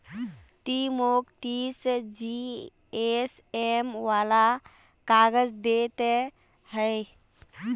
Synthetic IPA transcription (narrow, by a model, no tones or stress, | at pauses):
t̪imokt̪isd͡ʒi | esemʋaːla | kaɡəd͡ʒd̪et̪e | həɪ